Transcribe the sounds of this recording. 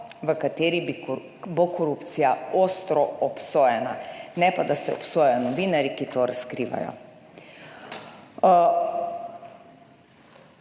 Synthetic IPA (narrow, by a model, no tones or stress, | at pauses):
ʋəkat̪eːɾibi | bokɔɾupt̪sijaoːst̪ɾɔɔpsoːjɛna̰nɛpad̪asɛɔpsoːjɛɔnɔʋiːnaɾikit̪oɾaskɾiːʋa̰jɔ̰